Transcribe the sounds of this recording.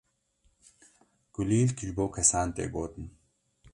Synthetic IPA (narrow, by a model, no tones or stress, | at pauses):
ɡ̥uliːlkʰiʎboːwkʰɐsaːnt̪ḛːɡoːt̪n